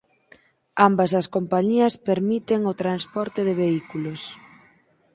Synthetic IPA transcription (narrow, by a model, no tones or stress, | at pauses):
ambɐsɐskompaɲiɐspeɾmit̪eŋot̪ɾanspɔɾt̪ɪðɪβ̞eikulos